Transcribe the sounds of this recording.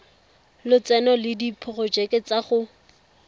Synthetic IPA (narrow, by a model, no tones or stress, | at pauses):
lɪt͡sɛnɔlɪdipʰʊχɔd͡ʒɛkʼɪt͡saχʊ